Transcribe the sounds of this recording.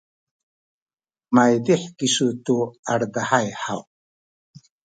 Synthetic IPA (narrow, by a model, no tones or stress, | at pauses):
majd̪iħkisut̪uaɾd̪aħajħaw